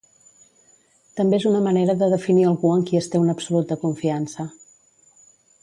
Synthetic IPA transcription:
t̪əmbeezunəməneɾəðəðəfiniəlˠɣuəŋkiəst̪eunəpsulut̪̚əkuɱfiansə

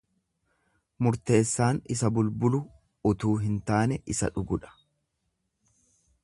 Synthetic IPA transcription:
mʊɾt̪e̞ːsːaːnɪsɐbʊlbʊlʊ | ʊt̪uːɦɪnt̪aːnɛʔɪsɐ̰ᶑʊɡʊᶑɐ̥

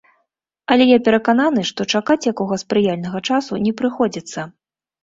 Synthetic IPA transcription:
ɐlʲɛjapʲɛɾɐkananɨʂt̪ɔt͡ʂakat͡sʲjakɔɣɐspɾɨjalʲnɐɣɐt͡ʂasunʲɛpɾɨxɔd͡zʲit̪sːɐ

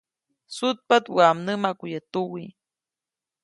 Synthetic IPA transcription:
sut̪̚pat̪wamnəmakujət̪uwi

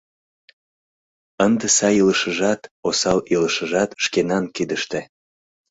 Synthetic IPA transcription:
ənd̪esɑjiləʃəʒɑt̪osɑliləʃəʒɑt̪ʃkenɑnkid̪əʃt̪e

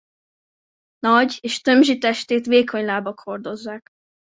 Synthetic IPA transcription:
nɒɟeːʃt̪ø̞mʒit̪ɛʃt̪eːt̪ʋeːkʰo̞ɲlaːbɒkho̞rd̪o̞zːaːk

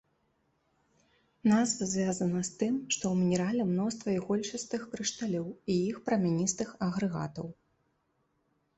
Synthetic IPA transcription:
nazvɐzʲvʲazɐnɐst̪ɨmʂt̪ɔwmʲinʲɛɾalʲɛmnɔst̪vɐiɣɔlʲt͡ʂɨst̪ɨxkɾɨʂt̪alʲɔwijixpɾɐmʲanʲist̪ɨxɐɣɾɨɣa̰t̪ɐw

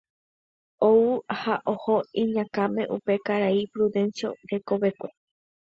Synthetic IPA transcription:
ouhaʔohoĩɲãkãmẽ̞̰ʔupe̞kaɾaipɾuðẽ̞nsjo̰ɾe̞ko̞βe̞kʷe

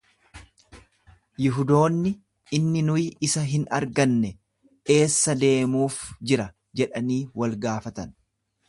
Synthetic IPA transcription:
jɪɦʊd̪o̞ːnːɪ | ɪnːɪnʊjɪsɐɦɪnɐɾɡɐnːɛ | e̞ːsːɐd̪e̞ːmuːfd͡ʒɪɾɐ | d͡ʒɛᶑɐniːwɐlɡaːfɐt̪ɐn

